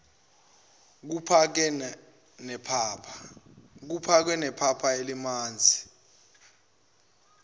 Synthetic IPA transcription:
k̬upʰak̬ɛ | nɛpʰapʰak̬upʰak̬wɛnɛpʰapʰaelimaːnd͡zʱi

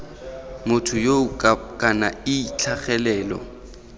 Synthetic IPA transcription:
mʊtʰʊjoʊkʼanaɪt͡ɬʰaχɛlɛːlɔ̰

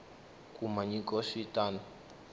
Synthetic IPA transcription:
kʼumaɲikɔʃitʼaːnɔ

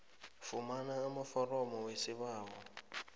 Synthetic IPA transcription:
fʊmanaːmʊfɔrɔmɔwesɪβaːɦɔ

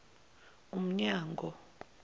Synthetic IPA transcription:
um̩ɲaːŋɡʱɔ

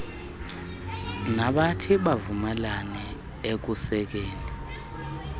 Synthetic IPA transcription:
naɓatʰiɓavumalanɛ | ek̬usɛk̬eːni

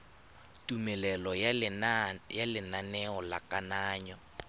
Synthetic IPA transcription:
tʼumɛlɛlɔ | jalɪnanɛɔla̰kʼanaːɲɔ

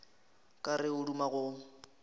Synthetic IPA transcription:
kʼarɪʊɺumaɣʊː

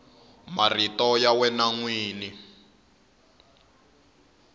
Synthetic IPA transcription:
maritɔjawɛnaŋwiːni

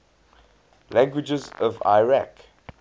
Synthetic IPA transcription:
læ̃ŋɡwɪd͡ʒəzɔva̰ɪɹak

